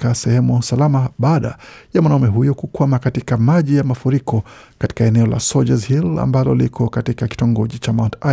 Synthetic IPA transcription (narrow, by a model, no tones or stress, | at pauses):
kasɛhɛmusalamaɓaːɗa̰jamwanaumɛɦujɔkukwamakatikamaʄijamafuɾikɔkati̥kaɛnɛɔla̰sɔd͡ʒazhila̰mbalɔ̰likʰɔkatikaki̥tɔŋɡɔʄit͡ʃamawnta